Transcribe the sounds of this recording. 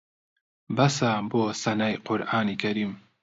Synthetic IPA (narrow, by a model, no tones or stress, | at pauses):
bɐsaboːsɐnajqʰʊɾʔaːniːkʰɐɾiːm